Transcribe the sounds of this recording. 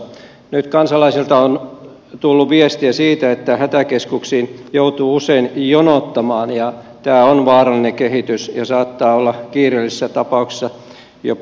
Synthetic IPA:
nyt̪kɑnsɑlɑisilt̪ɑon | t̪ulːuʋiest̪iæsiːt̪æet̪ːæhæt̪ækeskuksiːnjout̪uːuseinjonot̪ːɑmɑːnjɑ | t̪æːonʋɑːrɑlːˑineŋkehit̪ysjɑsɑːt̪ːɑːolːɑkiːrelːissːæt̪ɑpɑukse̥sːɑ | jo̰

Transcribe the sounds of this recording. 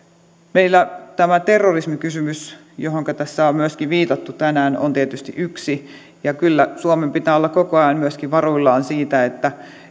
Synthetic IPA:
meilːæt̪æmæt̪erːorismikysymys | joɦoŋkɑt̪æsːæommyøskiʋiːt̪ɑt̪ːut̪ænæːno̰nt̪iet̪yst̪ḭʔyksi | jɑkylːæsuomempit̪æːolːɑkkokoɑjɑmmyøskiʋʋɑruilːɑːnsiːt̪æet̪ːæ

